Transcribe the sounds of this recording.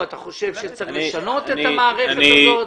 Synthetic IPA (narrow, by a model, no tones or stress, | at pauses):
at̪aχo̞ʃevʃet͡selʃano̞t̪eamaːʁeχeazo